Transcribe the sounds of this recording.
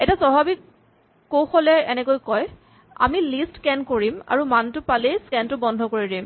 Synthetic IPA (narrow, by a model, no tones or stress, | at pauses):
ɛtasɔɦabik | kowxɔlɛɛnɛkojkɔj | a̰milistkɛnkoɹima̰ɹumantʊpalejskɛntʊbɔndʱɔkoɹidim